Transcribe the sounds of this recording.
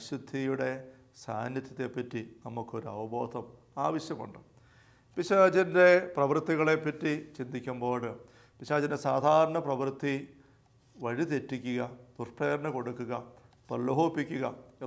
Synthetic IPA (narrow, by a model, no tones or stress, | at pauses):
ɕud̪ʱijuɽe̞ | sa̰ːnjɐt̪ʲːjɐt̪ːe̞pːɐtːinɐmukːo̞ɾuɐ̰ʋɐbʱo̞ːd̪ʱɐm | aːʋɐɕjɐmṵɳɖɨ | piɕaːd͡ʑɐnde̞prɐʋrt̪ːiɣɐɭe̞pːɐtːit͡ɕind̪ʱikʲːumboːɽɨ | piɕaːd͡ʑɐndesaːd̪ʱaːɾɐɳɐprɐʋrt̪ʰːi | ʋɐɻit̪e̞tːikʲːuɣɐt̪urpːeːɣɐɾɐɳɐko̞ɽukːuɣɐ | pɐɭːɐɦoːpːikʲːuɣɐe